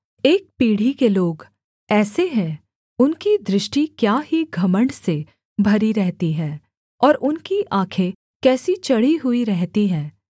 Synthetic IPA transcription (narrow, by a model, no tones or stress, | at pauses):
eːk̚piːɽ̤ikeloːɡ | ɛːseɦɛ̃ | ʊnkid̪ɾɪʃʈikjaːɦiɡʱɐməɳɖse | bʱɐɾiɾɛɦt̪iɦɛ̃ː | ɔːɾʊnkiʔãːkʰe | kɛːsit͡ʃɐɽ̤iɦuiɾɛɦt̪iɦɛ̃ː